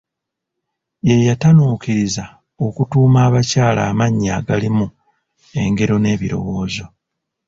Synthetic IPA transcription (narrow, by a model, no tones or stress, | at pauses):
je̞jatanuːkiɾiza | o̞kutuːmaːβacaːlaːmaɲːaːɡalimu | e̞ŋɡe̞ɾo̞ne̞ːβiɾo̞̰wo̞ːzo̞